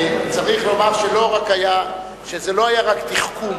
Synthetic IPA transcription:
t͡saʁiχlo̞maʁʃelo̞ʁakaja | ʃezelo̞ajaʁakt̪iχkum

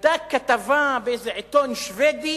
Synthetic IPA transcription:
d̪akːat̪avabeejzeʕet̪onʃved̪i

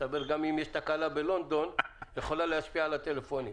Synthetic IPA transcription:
abeʁɡamimjɛʃt̪akalabelo̞nd̪o̞njeχo̞lalehaʃpialat̪elefo̞ni

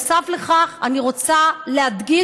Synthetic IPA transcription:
savle̞χaχaniʁo̞t͡salead̪ɡi

